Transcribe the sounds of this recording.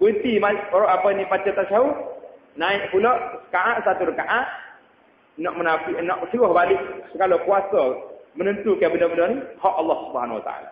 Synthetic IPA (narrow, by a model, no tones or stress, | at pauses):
bət̪imaɾʔapənipat͡ʃat̪aʔsau | naɪʔpulɔʔsə̥kaʔaʔ̪sat̪uɾəkaʔaʔ̪̚ | nɔʔmənafɪʔnɔʔsəɡɔhbalɪʔsəɡalɔkuasɔmənənt̪ukabənəbənənihɔʔɑlːɔhsubəhanwat̪a̰a̰la̰